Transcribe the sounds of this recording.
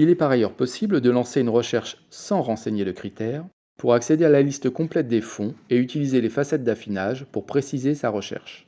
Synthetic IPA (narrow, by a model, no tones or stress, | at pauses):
ilɛpaʁajœʁpɔsibləd̪əlɑ̃seynʁəʃɛʁʃ | sɑ̃ʁɑ̃seɲeləkχit̪ɛːʁ | puʁaksed̪ealalist̪əkɔ̃plɛt̪̚d̪efɔ̃eyt̪ilizelefasɛt̪̚d̪afinaʒpuʁpχesizesaʁəʃɛ̰ʁʃ